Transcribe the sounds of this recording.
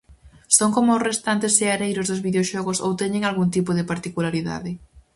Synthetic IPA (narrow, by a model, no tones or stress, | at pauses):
soŋkomʊʊsrest̪ant̪ɪseaɾejɾʊzðʊzβiðeoʃɔɣʊso̰wt̪ɛɲɪ̃ŋalɣuŋt̪ipʊðɪpaɾt̪ikulaɾiða̰ðɪ